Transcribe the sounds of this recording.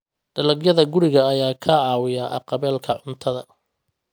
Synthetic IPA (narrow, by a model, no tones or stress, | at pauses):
ɖ̥ɐlɐɡjɐðɐɡʊɾɪɣɐːjaːkʰɐʕɑːwɪjaʔɐ̰qɑβɛːlkʰɐʕʊnt̪ʰɐðɐ̰